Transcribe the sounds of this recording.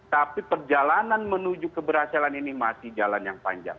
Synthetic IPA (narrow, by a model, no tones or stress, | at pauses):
t̪apipərd͡ʒalananmənud͡ʒukəbəɾhasilaninimasɪhd͡ʒalanjaŋpa̰ɲd͡ʒa̰ŋ